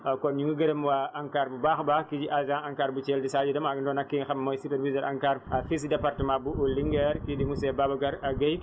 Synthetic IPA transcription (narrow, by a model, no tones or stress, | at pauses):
akɔɲiŋɡuɡɐɾɐmwaʔaŋkaɾbubaxbakid͡ʒiʔazãaŋkaːɾbut͡ʃeldisad͡ʒidɐmaɡndɔnakːixammojsipɛɾvizəɾʔaŋkaːɾafis̬depaɾtəmãbuʔuliŋɡɛɾkidimusɛbaːbɐɡaɾaɡej